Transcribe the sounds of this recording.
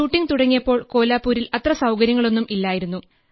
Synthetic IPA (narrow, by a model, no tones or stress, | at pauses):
uːʈːiŋt̪uɽɐŋːijɐpːo̞ːɭko̞ːlaːpːuːɾilɐt̪rɐsɐwkɐɾjɐŋːɐɭo̞nːumilːaːjiɾunːu